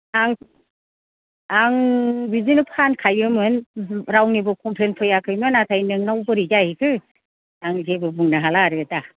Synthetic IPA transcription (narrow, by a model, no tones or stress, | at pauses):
aŋ | aŋbizinɯpʰankʰajɯmɯnɾawnibɯkʰɔmpʰlenpʰɯjakʰɯjmɯnatʰajnɯŋnawbɯɾid͡ʒahikʰɯ | aŋzebɯbɯŋnaɦalaɾɯta